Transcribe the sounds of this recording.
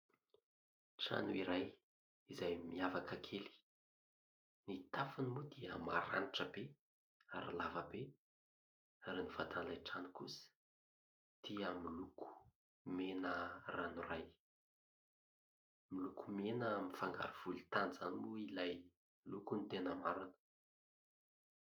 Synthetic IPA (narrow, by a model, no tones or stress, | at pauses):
ʈ͡ʂa̰nuiɾaj | izajmiavakəkʰeli̥ | nit̪afunimud̪iə̰ma̰ɾa̰niʈ͡ʂəbe | a̰ɾḭlavəbe | aɾinivat̪anlajʈ͡ʂanukṵsə̥ | t̪ʰiəmilukʰu̥ | menəranuraj | milukumenəmifaŋɡa̰ɾiv̥ulit̪anizanimuilaj | milukunit̪enəmaɾanə̥